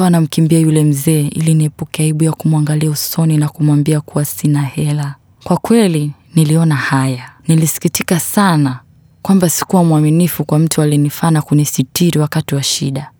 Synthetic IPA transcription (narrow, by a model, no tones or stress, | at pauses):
anam̩kimbiajulɛm̩zɛːʔḭliniɛpukɛaiɓujakumwaŋɡaliausɔninakumwambiakuwasinahɛla | kwakwɛli | niliɔnahajanilisi̥kitikasana | kwambasi̥kuwamuaminifukwam̩tualinifaːnakunisitiɾiwakatiwaʃḭɗa